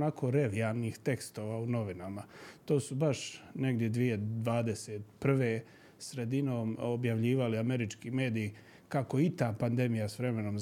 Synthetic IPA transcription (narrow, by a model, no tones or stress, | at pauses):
nakʰo̞ːɾeʋijalniːxt̪e̞kst̪o̞ːʋaːuno̞ʋinamat̪o̞ːsubaʃne̞ɡd̪jed̪ʋije̞d̪ʋaːd̪e̞seːt̪pr̩ʋe̞ː | sɾe̞d̪inoːmobjaʋʎiːʋaliame̞ɾit͡ʃkiːme̞ːd̪ijː | kako̞it̪aːpand̪emijasʋɾe̞me̞noːm